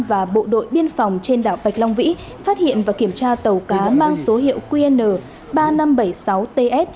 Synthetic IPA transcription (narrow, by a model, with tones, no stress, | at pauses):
vaː˨˩ɓo̰˧˨ɗo̰˧˨jɓi˧ənfɔ˨˩wŋ͡mt͡ɕe˧nɗaː˧˩wɓa˨˩jk̟̚lɔ˧wŋ͡mvḭ˧˥ | faː˦˥t̚hḭ˧˨ənvaː˨˩ki˧˩əmt͡ɕaː˧t̪ə˨˩wkaː˨˦maː˧ŋso˨˦ɦḭ˧˨əwkwi˧nəː˨˩ | ɓaː˧na˧mɓə˧˩jsa˨˦wt̪e˧ʔɛ˦˥t̚